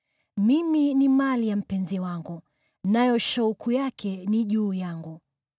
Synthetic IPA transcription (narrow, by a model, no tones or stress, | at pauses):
miminimalijam̩pɛnziwaŋɡu | najɔʃaukʰujakʰɛniʄuːjaŋɡu